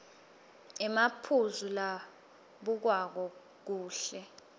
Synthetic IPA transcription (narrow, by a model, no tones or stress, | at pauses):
ɛmapʰuzula | ɓuk̬wak̬ɔ | k̬uːɬɛ